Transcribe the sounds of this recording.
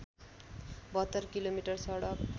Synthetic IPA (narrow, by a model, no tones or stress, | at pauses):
bʌt̪ːʌrkilomiʈʌrsʌɽʌk